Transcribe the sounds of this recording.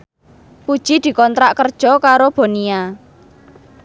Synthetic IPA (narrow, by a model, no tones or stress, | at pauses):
pud̥ʒ̥i̤d̪̥i̤kɔnt̪ɾaʔkərd̥ʒ̥ɔ̤kaɾob̥o̤nia